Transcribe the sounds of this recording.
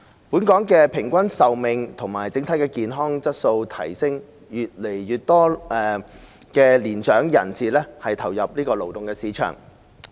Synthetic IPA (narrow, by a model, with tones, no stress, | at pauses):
puː˨˥nkɔː˨˥ŋkɛː˧pʰɪ˨˩ŋkʷɐ˥nsɐ˨wmɪ˨ŋt̪ʰʊ˨˩ŋmaː˨˩jt͡sɪ˨˥ŋt̪ʰɐ˨˥jkɛː˧kiː˨nɦɔː˥ŋt͡sɐ˥t̚so˧wt̪ʰɐ˨˩jsɪ˥ŋ | jyː˨t̚le˨˩jːyː˨t̚t̪ɔː˥ɛː˨ | kɛː˧liː˨˩nt͡ʃœː˨˥ŋjɐ̰˨˩nsiː˨lɛː˥hɐ˨jt̪ʰɐ˨˩wjɐ˨p̚liː˥kɔː˧lo˨˩wt̪ʊ˨ŋkɛː˧siː˨˥t͡ʃʰœ̰ː˨˩ŋ